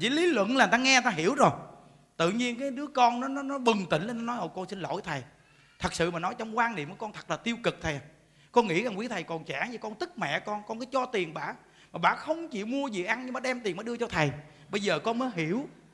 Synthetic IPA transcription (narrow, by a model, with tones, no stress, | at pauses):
t͡ɕḭ˧˦li˨˦lwə̰˧˨nla˨˩a˧ŋɛ˧˨˩t̪ːɦi˧˩əwzo˨˩j | t̪ɨ̰˧˨ɲi˧ənkaː˨˦jɗɨ˨˦əkɔ˧nnɔ˨˦nɔ˨˦nɔ˨˦ɓɨ˨˩ŋt̪ï˧˨˩ŋ̟lə˨˩nɔ˨˦nɔ˨˦jʔo˨˩kɔ˧nsi˧nlo̰˧˨jt̪ʰə˨˩j | t̪ʰə˨˩k̚sɨ̰˧˨maː˨˩nɔ˨˦jt͡ɕɔ˧wŋ͡mkwaː˧nnḭ˧˨əmkːə˨˩kɔ˧nt̪ʰə˨˩k̚laː˨˩t̪i˧əwkɨ˨˩k̚t̪ʰə˨˩a˨˩ | kɔ˧nŋḭ˧˥za˨˩wi˨˦t̪ʰə˨˩jkɔ˨˩nt͡ɕa̰ː˧˥ŋzi˧˩kɔ˧nt̪ɨ˦˥k̚mɛ̰˧˨kɔ˧nkɔ˧nkɔː˨˦jt͡ɕɔ˧t̪i˨˩ənɓa̰ː˧˨ | maː˨˩ɓa̰ː˧˨xə˧wŋ͡mt͡ɕḭ˧˨mu˧əzḭ˨ʔa˧ŋɲ˧ɓaː˨˩ɗɛ˧mt̪i˨˩nməː˨˦ɗɨ˧ət͡ɕɔ˧t̪ʰə˨˩j | ɓə˧jzəː˨˩kɔ˧nməː˨˦jɦi˧˩əw